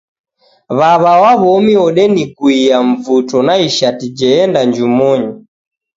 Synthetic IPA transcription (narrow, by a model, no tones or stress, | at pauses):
βaβawaβɔmiɔɗɛnikuiaɱvutɔnaiʃatid͡ʒɛɛndaɲd͡ʒumɔɲɔ